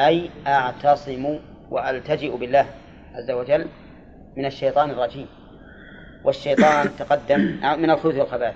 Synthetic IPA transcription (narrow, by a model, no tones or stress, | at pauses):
ʔajʔaʕt̪ɑsˤɨmu | wʔaʔalt̪ad͡ʒɪʔbɪlːaːh | ʕa̰zːawad͡ʒalː | mɪnaʃːejt̪ˤɑːnɑrˤːɑd͡ʒiːm | wʔaʃːajt̪ˤɑːnt̪aqɑd̪ːamʔamɪnalxʊluːθwalxabaːθ